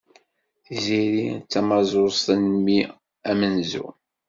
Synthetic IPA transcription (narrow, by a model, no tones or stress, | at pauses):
θziɾit͡sːæmɑzˤost̪ənmi | æmənzṵ